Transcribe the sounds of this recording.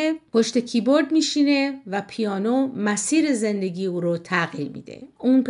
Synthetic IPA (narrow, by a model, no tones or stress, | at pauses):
epʰoʃt̪e̞cʰiboɾd̪miːʃine̞væpʰijɒːnomæsiːɾeze̞nd̪e̞ɡiːuːɾot̪ʰæɣiːɾmḭːd̪̥ḛuːnp